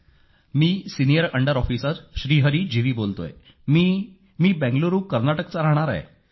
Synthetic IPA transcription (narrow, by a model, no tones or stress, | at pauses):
miːsinijəɾəɳɖəɾɔfisat̪ɕɾiːɦəɾiːd͡ʑiʋiːbolt̪o̰j | mi | miːbɛ̃ŋɡloɾuːkəɾnaʈəkt͡saɾaɦɽ̃aɾa̰e